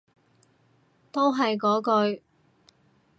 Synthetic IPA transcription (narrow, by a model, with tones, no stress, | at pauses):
t̪o˥wɦɐ˨jkɔː˨˥kɵ˧ɥ